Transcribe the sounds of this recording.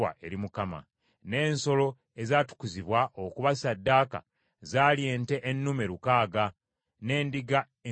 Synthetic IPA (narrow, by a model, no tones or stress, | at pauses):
a̰ʔe̞ɾimukama̰ | ne̞ːnso̞lo̞ | ezaːtu̥kuziβwaʔokuβasadːaːka̰ | zaːlje̞ːnte̞ʔːnːume̞ɾukaːɡa | ne̞ːndiɡa | e